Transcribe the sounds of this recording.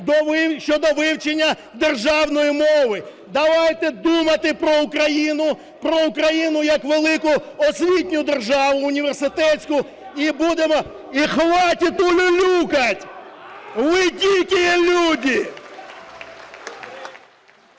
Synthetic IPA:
d̪ɔʃt͡ʃɔd̪ɔʋɪwt͡ʃenʲːɐ | d̪erʒɑwnɔjimɔʋɪ | d̪ɐʋajt̪ɛd̪umɐt̪ɪpɾɔukɾɐjinʊ | pɾɔukɾɐjinʊjɐkʋelˠɪkʊɔsʲʋʲitʲnʲʊd̪erʒɑʋʊːnʲiʋersɪt̪ɛtt͡sʲsʲkʊ | ibud̪emɔ | ixʋɑtʲit̪ʊlʲʊlʲukɐtʲ | ʋɪtʲilʲkʲijelʲudʲi

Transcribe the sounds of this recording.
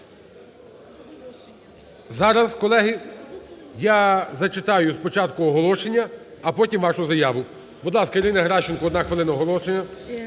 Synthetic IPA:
zɑɾɐskɔlˠɛɦɪ | jazɐt͡ʃɪt̪ɑjʊspɔt͡ʃɑt̪kʊɔɦɔlˠɔʃenʲːɐːpɔtʲimʋɑʃʊzɐjɑʋʊ | bɔd̪lˠɑskɐiɾɪnɐɦɾɑʃɪnkɔd̪nɑxʋeɪlˠɪnɐɔɦɔlˠɔʃenʲːɐ

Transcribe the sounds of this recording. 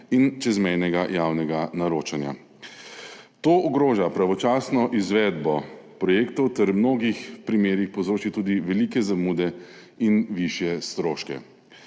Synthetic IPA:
int͡ʃɛzmɛjnɛɡajaːwnɛɡanaɾoːt͡ʃanja̰ | t̪oːʔɔɡɾoːʒapɾaʋɔt͡ʃaːsnɔʔizʋɛːd̪bɔpɾɔjeːkt̪ɔwt̪ɛɾmnoːɡixpɾimeːɾixpɔwzɾoːt͡ʃit̪uːd̪iʋɛliːkɛzamuːd̪ɛ | inʋiʃjɛst̪ɾoːʃkɛ̰

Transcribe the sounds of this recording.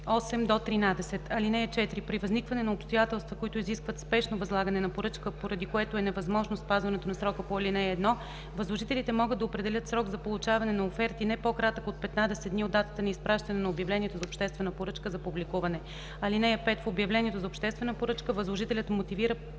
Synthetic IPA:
ɔsɛmd̪ot̪ɾinad̪ɛsɛt̪ʰɐlinɛjɐt͡ʃɛt̪ɾipɾivɐznikvɐnɛnɐopst̪ojat̪ɛlˠst̪vəkoit̪ʊiziskvət̪spɛʃnovɐzlˠaɡənɛnɐpoɾɤt͡ʃkəpoɾɐd̪ikoɛt̪oɛnɛvɐzmɔʒnospazvɐnɛt̪onɐsɾɔkəpoɐlinɛːd̪nɔ | vɐzlˠoʒit̪ɛlit̪ɛmɔɡɤd̪ːɐopɾɛd̪ɛlʲət̪sɾɔɡzɐpolˠʊt͡ʃavɐnɛnɐofɛɾt̪inɛpokɾat̪əkot̪̚pɛt̪nad̪ɛsɛt̪d̪niod̪ːat̪ət̪ənɐispɾaʃt̪ɐnɛnɐobjɐvlʲɛnʲiɛt̪ozɐopʃt̪ɛst̪vɛnəpoɾɤt͡ʃkəzɐpublikuvɐnɛ | ɐlinɛjɐpɛt̪fobjɐvlʲɛniɛt̪ozɐopʃt̪ɛst̪vɛnəpoɾɤt͡ʃkəvəzlˠoʒit̪ɛlʲɐt̪mot̪iviɾə

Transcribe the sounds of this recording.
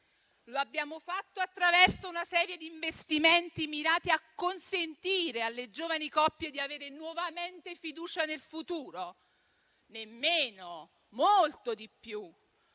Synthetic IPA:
loabːjaːmofat̪ːoat̪ːɾavɛrsounasɛːɾjed̪iːɱvest̪iment̪imiɾaːt̪iakːonsent̪iːɾealːed͡ʒoːvanikɔpːjed̪iaveːɾenwɔvament̪efid̪uːt͡ʃanelfut̪uːɾo | nemːeːno | molt̪od̪ipːju

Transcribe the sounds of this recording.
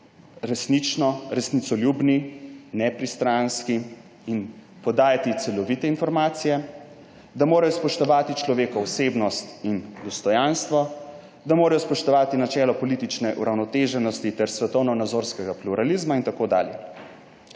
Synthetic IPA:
ɾɛsnit͡ʃnɔɾɛsnit̪sɔlʲjubninɛpɾist̪ɾanski | in | pɔd̪aːjat̪it̪sɛlɔʋit̪ɛinfɔɾmaːt̪sijɛ | d̪amoːɾajɔspɔʃt̪ɔʋaːt̪it͡ʃlɔʋeːkɔɔseːbnɔst̪ind̪ɔst̪ɔjanst̪ʋɔ | d̪amoːɾajɔspɔʃt̪ɔʋaːt̪inat͡ʃɛːlɔpɔlit̪it͡ʃnɛʔuɾawnɔt̪eːʒɛnɔst̪it̪ɛɾsʋɛt̪ɔwnɔnad̪zoːɾskɛɡapluɾʔalizmaint̪akoːd̪a̰ːljɛ̰

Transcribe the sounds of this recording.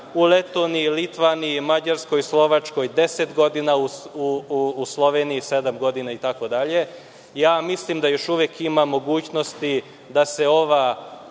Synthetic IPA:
ule̞t̪oniilit̪ʋaniimad͡ʑaɾsko̞jislˠo̞ʋat͡ʃko̞jd̪e̞set̪ɡo̞d̪inauuuslˠo̞ʋeniise̞d̪amɡo̞d̪inait̪ako̞d̪aʎe̞ | jaːmislimd̪ajo̞ʃuʋjekimamo̞ɡuːt͡ɕno̞st̪i | d̪ase̞o̞ʋa

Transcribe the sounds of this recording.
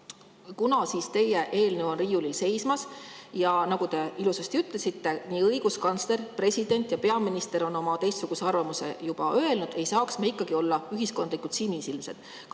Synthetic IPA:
kunɑsiːst̪e̞jeʔe̞ːlneo̞nriːulilse̞jsmɑsjɑnɑɡ̥ut̪e̞ilusest̪iyt̪ˑlesit̪ːe̞niːɤjɡ̥uskɑnsle̞ɾpre̞sʲid̪̥e̞nʲt̪ˑjɑpe̞ɑminist̪e̞ɾo̞nːo̞mɑt̪e̞jst̪suɡ̥use̞ɑrvɑmuse̞̰jub̥ɑʔø̞e̞lnud̪̥e̞jsɑːksmeikːˑɑɡ̥io̞lːɑyɦisko̞nd̪likːˑut̪simisilmse̞̰d̪̥

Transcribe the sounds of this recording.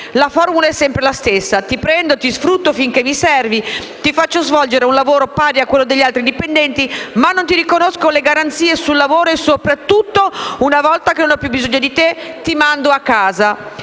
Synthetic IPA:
lafɔrmulaɛsːɛmpɾelast̪esːat̪ipɾɛnd̪ot̪isfɾut̪ːofiŋkemisɛrvi | t̪ifat͡ʃːozvɔld͡ʒeɾeunlavoːɾopaːɾjakːwelːod̪eʎːialt̪ɾid̪ipend̪ɛnt̪imanːont̪iɾikonoskoleɡaɾant̪siːesulːavoːɾoesopɾat̪ːut̪ːounavɔlt̪akenonɔpjubːizoɲːod̪it̪et̪imand̪oakːaːza

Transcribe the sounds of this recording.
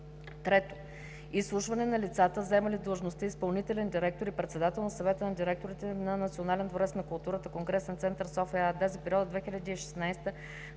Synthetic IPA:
t̪ɾɛt̪o̥ | islˠuʃvɐnɛnɐlit̪sat̪əzɛməlid̪ˠəʒnost̪əispɐlˠnit̪ɛlɛnd̪iɾɛk̚t̪oɾipɾɛt̪sɛd̪at̪ɛlˠnɐsɐvɛt̪ənɐd̪iɾɛk̚t̪oɾit̪ɛnɐnɐt̪sionalɛnd̪voɾɛt̪snɐkʊlˠt̪uɾət̪əkoŋɡɾɛsɛnt̪sɛnt̪əɾsɔfɛad̪azipɛɾiɔd̪əd̪vɛxilʲɐd̪iːʃɛ̥snajst̪ə

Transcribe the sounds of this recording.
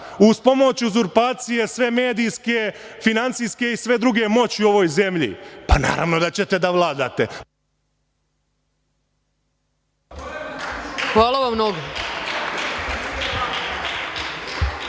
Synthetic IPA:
uspo̞mo̞t͡ɕuzuɾpaːt̪sije̞sʋe̞me̞ːd̪ijske | finant̪siːske̞isʋe̞d̪ɾuɡe̞mo̞t͡ɕiuo̞ʋojze̞mʎḭpana̰ːɾa̰ʋno̞d̪at͡ɕe̞t̪e̞d̪aʋlˠaːd̪aːt̪e | xʋaːlˠaʋamːnoɡo

